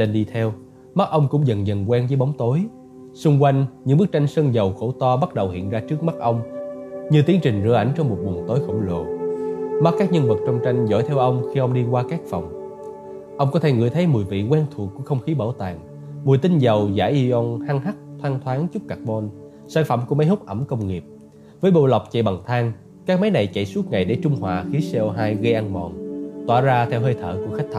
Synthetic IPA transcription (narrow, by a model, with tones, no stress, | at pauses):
ɗe˧nɗi˧t̪ʰɛ˧w | ma˦˥t̚ʔə˧wŋ͡mkʊ̰˧˥ŋ͡mzə̰˨˩nzə̰˨˩nkwɛ˧nzə˨˦jɓa˨˦wŋ͡mt̪o˨˦j | sʊ˧ŋ͡mkwa˧jŋ̟ɲɨ̰˧˥ŋɓɨ˦˥k̚t͡ɕa˧jŋ̟sə˧nzə˨˩wxo˧˩t̪ɔ˧ɓa˦˥t̚ɗə˨˩whḭ˧˨ənzaː˧t͡ɕɨ˦˥ək̚ma˦˥t̚ʔə˧wŋ͡mɲɨ˧t̪i˨˦əŋt͡ɕï˨˩ŋzɨ̰˧˩əʔa˧˩jŋ̟t͡ɕɔ˧wŋ͡mmo˨˩t̚ɓu˨˩ənt̪o˨˦jxə̰˧˩wŋ͡mlo̰˨ | ma˦˥t̚kːaː˦˥k̚ɲə˧nvə˨˩t̚t͡ɕɔ˧wŋ͡mt͡ɕa˧jŋ̟zɔ̰˧˩jt̪ʰɛ˧wʔə˧wŋ͡mxi˧ʔə˧wŋ͡mɗi˧kwaː˧kaː˦˥k̚fɔ˨˩wŋ͡m | ʔə˧wŋ͡mkɔ˨˦t̪ʰe˧˩ŋɨ̰˧˩əjt̪ʰə˨˦jmu˨˩əjvḭ˧˨kwɛ˧nt̪ʰu˨˩əkːu˧˥əxə˧wŋ͡mxi˨˦ɓə˧˩wt̪a̰ː˨˩ŋ | mu˨˩əjt̪ï˧nzə˨˩wza̰ː˧˩jʔi˧zɔ˧nhaː˧ŋɦa˦˥k̚t̪ʰwaː˧ŋt̪ʰwaː˨˦ŋt͡ɕʊ˦˥p̚ka˨˩mɔ˧n | saː˧˩nfə̰˧˩mku˧˩əma˨˦jhʊ˦˥k͡p̚ʔə˧˩mkə˧wŋ͡mŋi˨˩əp̚ | vəː˨˦jɓo̰˧˨la˨˩wk͡p̚t͡ɕḛ˧˨˩ɓa˨˩ŋt̪ʰaː˧ŋ | kaː˦˥k̚ma˨˦jna˨˩jt͡ɕḛ˧˨jsu˦˥t̚ŋa̰˨jɗe˧˩t͡ɕʊ˧ŋ͡mhwa̰ː˨˩xi˨˦sɛ˧ʔo˧ɦaː˧jɣə˧jʔa˧nmɔ̰˨˩nt̪wa̰ː˧˩zaː˧t̪ʰɛ˧wɦəː˧jt̪ʰə̰ː˧˨kʊ̰˧˥əxa˦˥jk̚t̪ʰ